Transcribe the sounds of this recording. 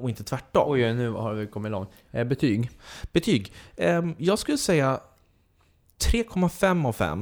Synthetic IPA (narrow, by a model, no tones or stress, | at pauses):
ɔɪnt̪ə̥t̪ʰvæʈːɔ̰jnʉ̟ːhaɾvɪkʰɔmːɪt̪lɔŋt̪ | bɛt̪ʰyːɡb̥ɛt̪ʰyːɡ | jɑːɡskɵlːəsɛjːa | t̪ʰɾeːkʰɔmːafɛmːɔvfɛ̰mː